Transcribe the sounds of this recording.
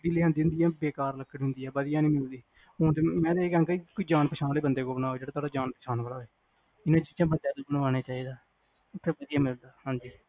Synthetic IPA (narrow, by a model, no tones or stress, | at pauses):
bɪliːɦãnd̪iːʊ̃nd̪iːɛːbeːkaːɾləkʰːəɽɦʊ̃nd̪iːɛːbəd̪ɪjãːnĩːmɪld̪iː | ɦoːt̪emɛ̃ːt̪ekãːŋkeikoiːd͡ʒaːnpəʃʰaːnleːbənd̪eːkoːbənaːoeːd͡ʒeːɽaːt̪ʰaːɽaːd͡ʒaːnpəʃʰaːnʋaːlaːɦeː | ɪnãːd͡ʒit͡ʃãːbənd̪eːoːbənʋaːɽ̃aːt͡ʃaːiːd̪aː | ʊt̪ʰːeːbəd̪ɪjãːmɪld̪aːhãːɲd͡ʒiː